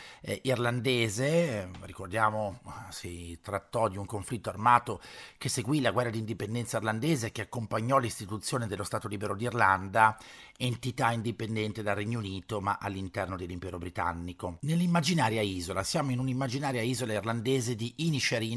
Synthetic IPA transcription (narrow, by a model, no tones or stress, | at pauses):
irland̪eːzerikord̪jaːmosit̪ɾat̪ːɔd̪iuŋkoɱflit̪ːoarmaːt̪okeseɡwilaɡwɛrːad̪iːnd̪ipend̪ɛnt̪sairland̪eːzek̟eakːompaɲːɔlist̪it̪ut̪sːjoːned̪elːost̪aːt̪oliːbeɾod̪irland̪a | ent̪it̪aind̪ipend̪ɛnt̪ed̪alrːeɲːouniːt̪omaʔalːint̪ɛrnod̪elːimpɛːɾobɾit̪a̰nːikonelːimːad͡ʒinaːɾjaiːzolasjaːmoinunimːad͡ʒinaːɾjaiːzolairland̪eːzed̪iʔinit͡ʃeɾiː